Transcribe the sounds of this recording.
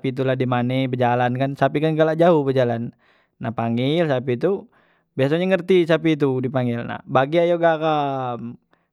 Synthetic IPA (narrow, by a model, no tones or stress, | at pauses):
pit̪̬ulahdimanebəd͡ʒalankansapikanɡalaʔd͡ʒauhbəd͡ʒalanː | ahpaŋilsapit̪u | bias̬aɲaŋərt̪isapit̪̬udipaŋɪlna̰hbaɡiajoɡakam